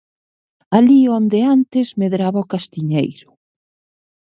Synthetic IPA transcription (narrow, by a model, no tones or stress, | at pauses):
aliond̪eant̪ɪzmeðɾaβaokast̪iɲejɾʊ